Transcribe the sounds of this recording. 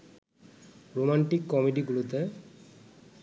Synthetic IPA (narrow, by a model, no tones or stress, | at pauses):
ɾomaɳʈikːɔmiʈiɡulot̪e